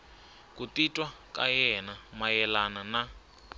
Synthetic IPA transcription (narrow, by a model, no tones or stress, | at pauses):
kutitʼwa | ka̰jɛnamajɛlanana